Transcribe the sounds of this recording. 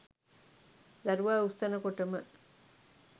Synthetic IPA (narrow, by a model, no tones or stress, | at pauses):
d̪ɐɾuʋaːust̪ɐnɐkoʈɐmə